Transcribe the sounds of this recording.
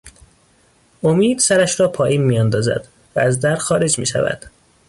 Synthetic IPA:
ʔomiːd̪̥sæɾæʃɾɒːpʰɒːʔiːnmiːjɒnd̪ɒːzæ̰d̪ | vææzd̪æɾxɒːɾe̞d͡ʒmḭːʃæ̰væ̰d̪̥

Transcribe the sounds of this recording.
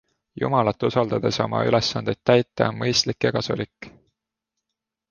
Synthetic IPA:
jṵmɑlɑt̪ːˑusɑld̪̥ɑd̪̥e̞so̞̰mɑ̰ʔy̰lesːɑnd̪et̪̚ːæjt̪ːˑeo̰nmɤjst̪likːjɑkɑsṵlikːˑ

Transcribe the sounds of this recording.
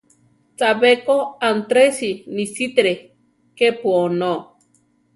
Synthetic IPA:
t͡sabekoant̪ɾesinisit̪ɾe | kepuono

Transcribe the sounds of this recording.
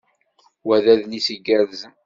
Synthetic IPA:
wæðæðnisəɡːəɾzən

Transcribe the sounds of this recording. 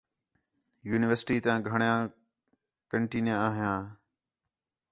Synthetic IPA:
juːnɪʋəɾsɪʈiːt̪ãːɡʱəɳjãː | kəɳʈiːnjãːaːɦɪjãː

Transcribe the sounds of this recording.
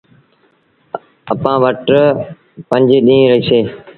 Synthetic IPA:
əpãːʋəʈ | pə̃ɲd͡ʒeːɗĩːɾəiːseː

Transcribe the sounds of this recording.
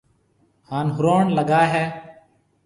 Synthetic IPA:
haːnɦʊɾoːɳləɡaːɦɛː

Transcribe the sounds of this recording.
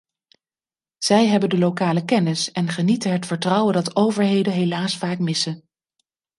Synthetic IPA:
z̥ɛjɦɛbəndəlowkaːləkɛnɪsɛnχənitəɦətfəɹtrʌwəndɑtowvəɹɦejdənɦelaːsfaːkmɪsən

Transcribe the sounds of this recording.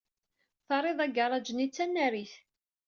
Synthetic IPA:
θɑɾˤeðˤæɡɑɾˤɑd͡ʒənit͡sːænːæɾiθ

